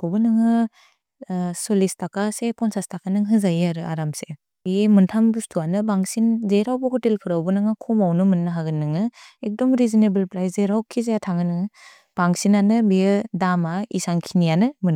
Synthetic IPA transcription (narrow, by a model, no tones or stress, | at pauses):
bɔbɯnɯŋɯ | solistʰakasepɔnsastʰakanɯŋɦɯzajiaɾɯa̰ɾamse | biemɯntʰambustʰuanɯbaŋsinzeɾawbɔhɔtelkʰɯɾabɯnɯŋakʰɔmawnɯmɯnːɯɦaɡɯnːɯŋɯek̚dɔmɾizinebɯlpɾajszeɾawkʰizejatʰaŋɯnɯŋɯ | b̥aŋsinanɯbijɯdamaisaŋkʰinijanɯmɯn